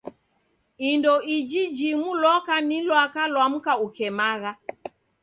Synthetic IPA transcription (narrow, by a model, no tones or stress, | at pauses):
indɔid͡ʒid͡ʒimulɔkanilwakalwam̩kaukɛmaɣa